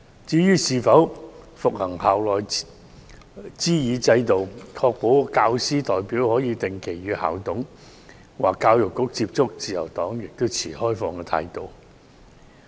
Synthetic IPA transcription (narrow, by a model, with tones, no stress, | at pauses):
t͡siː˨˥jyː˥siː˨˧fɐ˨˥w | fʊ˨k̚hɐ˨˩ŋhaː˨wlɔː˨˩j | t͡siː˥jiː˨˧t͡sɐ˧jt̪o˨wkʰɔː˧k̚po˨˥wkaː˧wsiː˥t̪ɔː˨jpiː˨˥whɔː˨˥jiː˧t̪ɪ˨˩ŋkʰe˨˩jɥyː˨˧ha̰ː˨˩wt̪ʰʊ˨˥ŋ | waː˨˩kːaː˧wjʊ˨˩kːʊ˨˥k̚t͡siː˧p̚t͡sʊ˥k̚t͡siː˨jɐ̰˨˩wt̪ɔː˨˥ŋjɪ˨k̚t̪o˥wt͡sʰiː˨˩hɔː˥jfɔː˧ŋkɛː˧t̪ʰa̰ː˧jt̪o˨˧w